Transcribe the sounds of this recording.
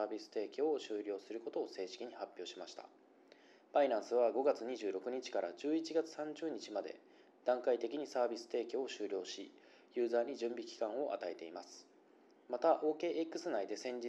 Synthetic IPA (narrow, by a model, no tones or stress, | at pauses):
aːbʲisɨ̥t̪e̞ːkʲooɕɨːɾʲo̞ːsɨɾɯ̟ko̞t̪o̞ːse̞ːɕi̥kʲiɲ̟ihapʲːjo̞ːɕimaɕi̥t̪a̰ | b̥aiɾãɰ̃sɨβaɡo̞ɡat͡sɨɲ̟iʑɨːɾo̞kɯ̟ɲ̟it͡ɕi̥kaɾa̰d͡ʑɨːit͡ɕiɡat͡sɨ̥sãɲ̟d͡ʑɨːɲ̟it͡ɕimad̪e̞̰ | d̪̥ãŋkait̪e̞kʲiɲ̟isaːbʲisɨ̥t̪e̞ːkʲo̞ːɕɨːɾʲo̞ːɕi | jɯ̟ːzaːɲ̟id͡ʑɨ̃mbʲikʲi̥kãɰ̃o̞ʔa̰t̪ae̞t̪e̞imasɨ̥ | mat̪aʔo̞ːke̞ʔekːɯ̟sɨnaid̪e̞sẽ̞ɲ̟d͡ʑi